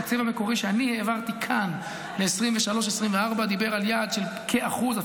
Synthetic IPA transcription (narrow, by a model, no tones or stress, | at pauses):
t͡sevame̞ko̞ʁiʃeaniheːvaʁt̪ikʰan | leːsʁimveʃalo̞ʃ̬esʁimveaʁbad̪ibe̞ʁaljad̪ʃelkʰeaχuza